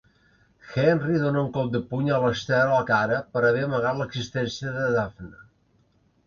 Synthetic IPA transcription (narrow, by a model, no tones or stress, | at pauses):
xɛnriðonouŋkɔp̚d̪əpuɲələst̪ɛɾəəkaɾəpəɾəβɛəməɣat̪ləɡzist̪ɛnsiəðəðafnə